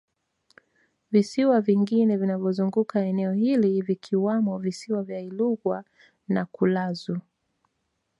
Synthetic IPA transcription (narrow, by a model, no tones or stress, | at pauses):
visiwaviŋɡinɛvinavjɔzuŋɡukaɛnɛɔhilivikʰiwamɔvisiwavjailuɣwa | nakulazu